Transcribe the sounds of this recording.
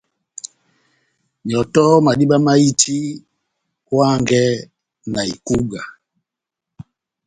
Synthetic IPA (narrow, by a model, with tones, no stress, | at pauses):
ɲ˨ɔ˨tɔ˦ma˨ɗi˦ɓa˦ma˦i˦tʰi˦ | kwa˦ŋɡɛ˦ | na˨ḭ˨ku˦ɡa˨